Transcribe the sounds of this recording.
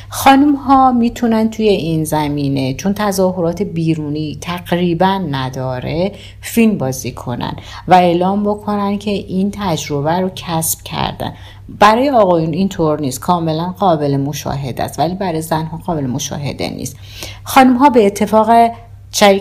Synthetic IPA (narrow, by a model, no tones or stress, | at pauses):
xɒːnumhɒːmiːt̪ʰunæn̚t̪ʰuje̞ʔinzæmiːne̞t͡ʃʰont̪ʰæzɒːɦoɾɒːt̪ʰe̞biːɾuːniːt̪ʰæɣɾiːbænːæd̪ɒːɾe̞ | filmbɒːziːkʰo̞̰næ̰n | væe̞ːlɒːmbo̞kʰo̞næncʰe̞ʔint̪ʰæd͡ʒɾo̞bæɾocʰæsb̥cʰæ̰ɾd̪æ̰n | b̥æɾɒːjeɒːɣɒːjunint̪ʰoɾniːst̪̚kʰɒːme̞lænɢɒːbe̞lemo̞ʃɒ̰ːɦe̞d̪æ̰st̪væliːbæɾɒːjezænɦɒːɣɒːbe̞lemo̞ʃɒ̰ːɦe̞̰d̪ḛnḭst̪ | xɒːnumɦɒːbe̞ːt̪ʰːe̞fɒːɣe | t͡ʃʰæ